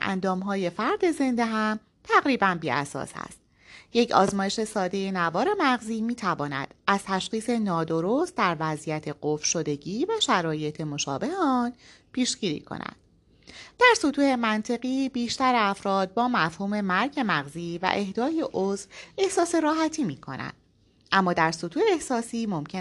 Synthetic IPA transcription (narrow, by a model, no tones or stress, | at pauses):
ʔæ̰nd̪ɒːmɦɒːje̞fæɾd̪e̞ze̞nd̪e̞ɦæm | t̪ʰæɣɾiːbænbiːæ̰sɒ̰ːshæ̰st̪̚ | jecʰɒ̰ːzmɒːjeʃe̞sɒːd̪e̞je̞nævɒːɾe̞mæɣziːmiːt̪ʰævɒːnæ̰d̪̥ʔæz̥t̪ʰæʃχiːse̞nɒːd̪o̞ɾost̪̚d̪æɾvæzijæt̪ʰe̞ɢofʃo̞d̪e̞ɟiːvæʃæɾɒːje̞t̪ʰe̞mo̞ʃɒ̰ːbe̞heɒːnpʰiːʃɟ̥iːɾḭːkʰo̰næ̰nd̪̥ | d̪̥æɾsot̪ʰuːhe̞mænt̪ʰe̞ɣiːbiːʃt̪æɾæfɾɒːd̪̚bɒːmæfhuːme̞mæɾɟe̞mæɣziːvæ̰ʔe̞hd̪ɒːje̞ʔozve̞hsɒːse̞ɾɒːɦæt̪ʰiːmiːkʰo̞̰næ̰nd̪̥ | ʔæmːɒːd̪æɾsot̪ʰuːeehsɒːsiːmo̞mcʰe